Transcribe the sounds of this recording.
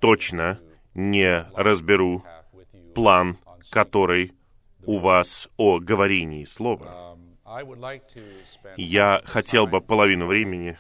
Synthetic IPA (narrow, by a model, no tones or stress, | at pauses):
t̪o̞t͡ɕnə | nʲɪɾəzbʲɪɾu | plˠan | kɐt̪o̞ɾɨj | ʊvasoɡəvɐɾʲenʲɪːslˠo̞və̰ | jaxɐtʲe̞lˠbɨpəlˠɐvʲinʊvɾʲemʲɪnʲɪ